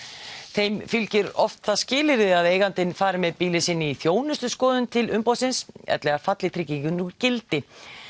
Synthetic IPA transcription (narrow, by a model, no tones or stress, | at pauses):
θejmfʏlcɪɾɔft̪θaðscɪːlɪɾɪaðeːjɣant̪ɪnfaːɾɪmɛðpiːlɪsɪnːɪiθjoːwnʏst̪ʏskɔːðʏnt̪ʰɪlʏmpawsɪnsɛ̰t̪lɛːɣaɾ̥fat̪lɪt̪ʰɾɪcːɪkʏnuɾcɪlt̪ɪ